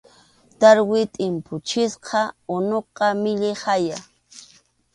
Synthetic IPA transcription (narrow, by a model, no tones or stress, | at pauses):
t̪aɾwɪt̪ʼɪmpʊt͡ʃɪsqʰɑʊnoqɑmɪʎɪhaja